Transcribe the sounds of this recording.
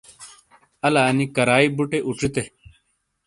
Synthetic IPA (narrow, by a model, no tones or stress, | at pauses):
ɐlaːnikɐɾaːibuʈeʔuʈ͡ʂit̪e